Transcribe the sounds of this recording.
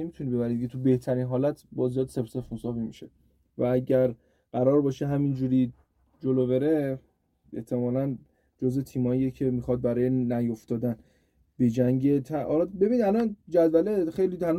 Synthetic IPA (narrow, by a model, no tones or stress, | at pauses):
emit̪ʰunibe̞bæɾid̪ʰet̪ʰube̞ht̪ʰæɾiːnɦɒːlæt̪ʰbɒzijɒːd̪sepsefunsɒːvimiʃe | vææɟæɾ | ɢ̥æɾɒːɾbɒːʃeɦæmind͡ʒuːɾiː | d͡ʒolobe̞ɾe | e̞̰ht̪ʰe̞mɒːlæn | d͡ʒozve̞t̪ʰiːmɒijecʰe̞mixɒd̪̚bæɾɒːje̞næjoft̪ɒːd̪æn | b̥e̞d͡ʒæŋɟet̪ʰæʔɒ̰ːlɒbe̞binid̪ælɒnd͡ʒæd̪vælexejliːt̪ʰæl